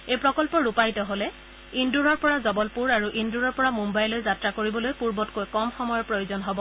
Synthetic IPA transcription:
ejpɹɔkɔlpɔɹupajtɔɦolɛ | induɹɔɹpɔɹazɔbɔlpuɹaɹuʔinduɹɔɹpɔɹamumbajlojzatɹakoɹibɔlojpuɹbɔtkojkɔmxɔmɔjɔɹpɹojozɔnɦɔbɔ

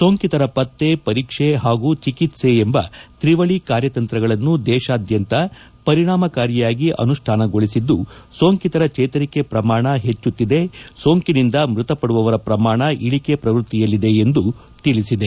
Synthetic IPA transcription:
so̞ːŋkit̪ɐɾɐpɐt̪ːe̞pɐɾiːkʂe̞ɦaːɡut͡ʃikit̪se̞ːmbɐt̪ɾiʋɐɭikaːɾjɐt̪ɐnt̪ɾɐɡɐɭɐnːud̪ɛːʃaːd̪jɐnt̪ɐ | pɐɾiɳaːmɐkaːɾjɐjaːɡiʔɐ̰nuʂʈʰaːnɐɡo̞ɭisid̪ːuso̞ːŋkit̪ɐɾɐt͡ʃɛːt̪ɐɾike̞pɾɐmaːɳɐɦe̞t͡ʃːut̪ːid̪e̞so̞ːŋkinind̪ɐmɾut̪ɐpɐɽuʋɐʋɐɾɐpɾɐmaːɳɐʔiɭike̞pɾɐʋɾut̪ːijɐlːid̪e̞end̪u | t̪iɭisid̪e̞

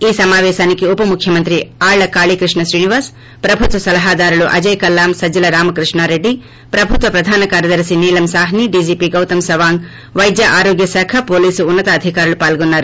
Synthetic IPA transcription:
iːsɐmaːʋɛːʃaːnikiupɐmukʰːjɐmɐnt̪ɾiaːɭlɐkaːɭiːkɾiʂɳɐsɾiːniʋaːɾs | pɾɐbʱut̪ʋɐsɐlɐɦaːd̪aːɾuluʔɐ̰d͡ʒɐjkɐlːaːmsɐd͡ʒːɐlɐɾaːmɐkɾiʂɳaːɾeɖːi | pɾɐbʱut̪ʋɐpɾɐd̪ʱaːnɐkaːɾjɐd̪ɐɾsiniːlɐmsaːɦniɖiːd͡ʒiːpiːɡɐwt̪ɐmsɐʋaːŋɡ | ʋɐjd̪jɐʔaːɾoːɡjɐsaːkʰɐpoːliːsuːnːɐt̪ɐːd̪ʱikaːɾulupaːlɡonːaːɾu

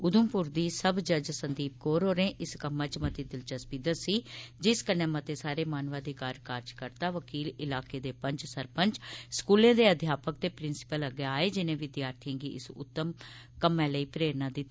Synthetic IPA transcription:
ʊd̪ʊmpʊɾd̪iːsəbd͡ʒəd͡ʒsənd̪iːp̚koːɾɦoːɾẽːʔɪskəmːãːt͡ʃmət̪iːd̪ɪlt͡ʃəspid̪əsiːd͡ʒɪskənẽːmət̪eːsaːɾeːmaːnʋaːd̪iːkaːɾkaːɾd͡ʒkəɾt̪aːʋəkiːlɪlaːkeːd̪eːpəɲt͡ʃsəɾpəɲt͡ʃskuːlẽːd̪eːəd̪ʱjaːpək̚t̪eːpɾɪnsɪ̥pələɡeaːeːd͡ʒɪnẽːʋɪd̪jaːɾt̪ʰiãːɡḭːʔɪ̰sʊ̰t̪ːəm | kəmːɛ̃ːləiːpɾeːɾnãːd̪ɪt̪ː

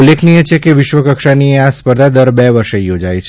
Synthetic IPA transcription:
ulːekʰnijet͡ʃʰekeʋɪʃʋəkəkʃanieaspəɾd̪ʱad̪əɾbɛʋəɾʃejod͡ʒajt͡ʃʰ

